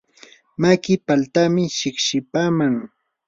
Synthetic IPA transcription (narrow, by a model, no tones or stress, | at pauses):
makɪpalt̪amɪʃɪkʃɪpaːmaŋ